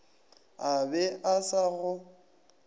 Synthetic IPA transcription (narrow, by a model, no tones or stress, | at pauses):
abɛʔasaɣʊ